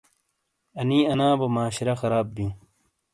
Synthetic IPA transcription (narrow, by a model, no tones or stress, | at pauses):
ɐniɐnãːbɐmaːɕɾɐxɐɾaːb̚bjũː